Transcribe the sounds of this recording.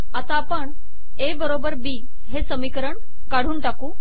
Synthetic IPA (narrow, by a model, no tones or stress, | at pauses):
at̪apəɳ | ebəɾobəɾbiː | ɦesəmikəɾəɳ | kaɽ̤uːnʈakuː